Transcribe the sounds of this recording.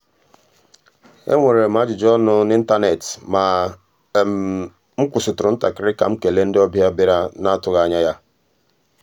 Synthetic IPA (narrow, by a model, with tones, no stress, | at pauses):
ḛ˦ŋʷe˨ɾe˨m˨a˨˦d͡ʒɪ˨d͡ʒɔ˦nʊ˦n˦i˦n̩˦ta˦ne˨tma˨ | ŋ͡m̩˦kʷʊ˨sʊ˨tʊ˨ɾʊ˨n̩˦ta̰˨kɪ˦ɾɪ˦ka̰˨ŋ͡m̩˦ke˨le˦n̩˦dɪ˦ɔ˦bja˦bi˦ɾa˦na˦tʊ˨ɣa˨ɲa˦ja˦